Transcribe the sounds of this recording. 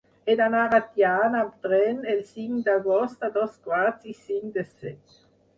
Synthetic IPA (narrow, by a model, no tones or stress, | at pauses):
ɛd̪anaʁat̪jaːnapd̪ʁɛnɛlsiŋd̪aɡɔst̪ad̪ɔskwaʁt͡sisiŋd̪əsɛt